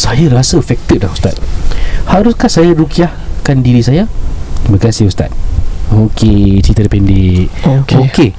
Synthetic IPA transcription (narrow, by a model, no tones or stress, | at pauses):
sajaɾasəfɛk̚t̪it̚lahust̪at̪̚haɾuskahsajaɾukiahkandiɾisajat̪iməkasihust̪a̰t̪̚okʰet͡ʃɾit̪əɾpɛndiʔooke